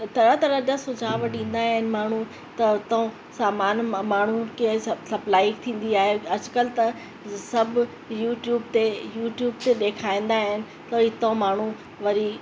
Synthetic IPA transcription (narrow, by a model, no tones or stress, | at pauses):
t̪ʰɐɾãt̪ɐɾɐɗasʊd͡ʑʱaːʋɗĩːn̆d̪aːɦɪnɪ̆maːɳ̤u | t̪ɐt̪ | saːmaːnmaːɳ̤ukesɐblaːɪkt̪ʰĩːn̆d̪iaːɦeɐd͡ʑkəlt̪ɐ | sɐbʱ | juːʈjuːbt̪ejuːʈjuːbt̪eɗeːkʰaːĩːn̆d̪aːɦɪnɪ̆ | t̪ɐɪt̪õmaːɳ̤u | ʋɐɾi